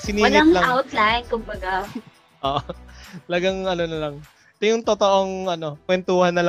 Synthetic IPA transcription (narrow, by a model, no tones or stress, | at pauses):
sɪniɐnɪaŋlɐawt̪lajnkʊmbɐɡa | ʔoːʔot̪ɐlɐɡaŋʔɐnonɐlɐŋ | ɛt̪ojʊŋt̪ot̪oʔo̞ŋʔɐno̞kwɛnt̪uːhɐnːɐl